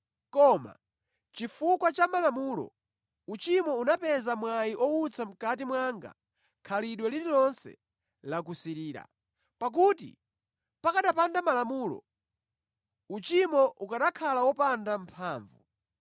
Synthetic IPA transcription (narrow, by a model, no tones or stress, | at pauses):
kɔma̰ | t͡ʃifukwat͡ʃamalamuːlɔ̰ | ut͡ʃimɔunapɛzamwajiʔɔut͡sʰam̩kat̬imwaŋɡa̰ | kʰaliɗwɛlililɔnsɛ̰ | lak̬usiɾiːɾa̰ | pak̬utḭ | pakaɗapandamalamuːlɔ̰ | ut͡ʃimɔʔukaɗakʰalawɔpandampʰaːɱvu